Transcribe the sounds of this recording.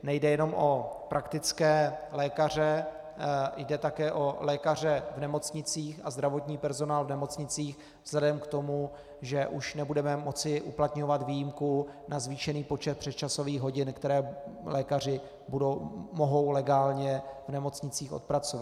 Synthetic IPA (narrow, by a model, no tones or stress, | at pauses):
nɛjdɛjɛno̞mʔo̞pɾʔakt̪ɪt͡skɛːlɛːkar̝ɛ | jdɛt̪akɛːʔo̞lɛːkar̝ɛvnɛmo̞t͡sɲɪt͡siːxazd̪ɾavo̞t̪ɲiːpɛɾzo̞naːlvnɛmo̞t͡sɲɪt͡siːx | vz̥lɛdɛmkt̪o̞mu | ʒɛʔuʃnɛbudɛmɛmo̞t͡sɪʔuplat̪ɲo̞vat̪viːjɪmkunazviːʃɛniːpo̞t͡ʃɛt̪̚pr̥ɛt̪t͡ʃaso̞viːɣɦo̞ɟɪnkt̪ɛɾɛːlɛːkar̝ɪ | budowmo̞ɦo̞wlɛɡaːlɲɛvnɛmo̞t͡sɲɪt͡siːxo̞̰t̪̚pɾat͡sovat̪